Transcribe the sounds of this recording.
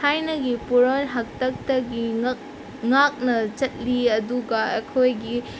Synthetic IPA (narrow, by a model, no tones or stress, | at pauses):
tʰajnɐɡipuɾonɦɐk̚tɐk̚tɐɡi | ŋak̚nɐt͡ʃɐt̚liɐduɡɐɐkʰojɡi